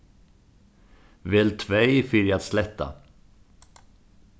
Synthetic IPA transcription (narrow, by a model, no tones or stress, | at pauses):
vɛːlt̪ʰvɛjfʏɾjat̪slɛt̪ːa̰